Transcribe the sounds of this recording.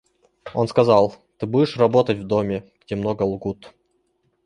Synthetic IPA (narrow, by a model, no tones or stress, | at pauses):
onskɐzɑlˠ | t̪ɨbudʲɪʂrɐbot̪ətʲvd̪omʲɪɡ̥dʲemnoɡəlˠɡut̪